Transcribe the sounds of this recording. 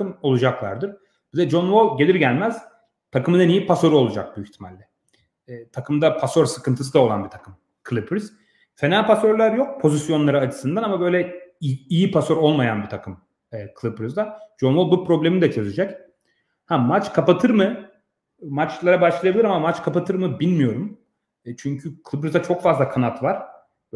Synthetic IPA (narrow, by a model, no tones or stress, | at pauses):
ɯmo̞lˠud͡ʒaklˠa̰ɾd̪ɯɾ̥ | bzɛd͡ʒonvoɟe̞lʲiɾɟælʲmæz̥ | t̪ʰakɯmɯnɛnijipʰaso̞ɾuo̞lˠud͡ʒa̰k̚b̪uyçt̪ʰima̰lʲːɛ | t̪ʰakʰɯmd̪apʰasoɾsɯkɯnt̪ʰɯs̬ɯd̪ao̞lˠa̰nbit̪ʰḁkʰɯm | kʰlˠipɾz̥ | fe̞nalʲpʰaso̞ɾlʲæɾjok̚pʰo̞zisjo̞nlˠaɾɯat͡ʃʰɯ̥sɯnd̪anamabø̞jlʲɛijipʰaso̞ɾo̞lˠmajanbit̪ʰakʰɯm | ɛːkʰɯlˠipɾyzd̪ad͡ʒonvobupʰɾo̞blʲemid̪ɛt͡ʃʰø̞zyd͡ʒɛc | hæmat͡ʃkʰapat̪ʰɯɾmɯ | mat͡ʃlˠaɾabaʃlˠajabilʲiɾamamat͡ʃkʰapat̪ʰɯɾmɯbilʲmijo̞ɾum | t͡ʃʰyɲcʰykʰɯlˠipɾzd̪at͡ʃʰo̞kfazlˠakʰanat̪vaɾ̥